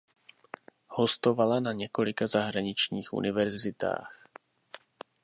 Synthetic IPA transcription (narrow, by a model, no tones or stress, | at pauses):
ho̞st̪o̞valanaɲɛko̞lɪkazaɦɾaɲɪt͡ʃɲiːxʔṵnɪvɛɾzɪt̪a̰ːx